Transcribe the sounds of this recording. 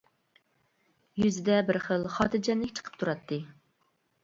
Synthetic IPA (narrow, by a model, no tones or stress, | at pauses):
jyzɪd̪ɛbɪɾχəlˠχɑːt̪ʰɨd͡ʒɛnlɪkʲt͡ʃʰə̥qʰə̥p̚t̪ʰuɾɑt̪ʰːɨ